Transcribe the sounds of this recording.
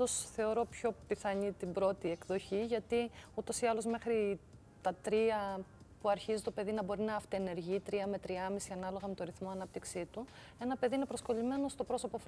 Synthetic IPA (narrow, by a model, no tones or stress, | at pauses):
osθe̞o̞ɾo̞pço̞piθɐɲit̪ibɾo̞t̪ie̞kðo̞çiʝɐt̪iut̪o̞siɐlo̞zme̞xɾi | t̪ɐt̪ɾiɐ | puɐɾçizit̪o̞pe̞ðinɐbo̞ɾinɐɐft̪eːne̞ɾʝiːt̪ɾiɐme̞t̪ɾiɐmisiɐnɐlo̞ɣɐmet̪o̞ɾiθmo̞ɐnɐp̚t̪iksit̪u | e̞nɐpe̞ðiinepɾo̞sko̞lime̞no̞st̪o̞pɾo̞so̞po̞f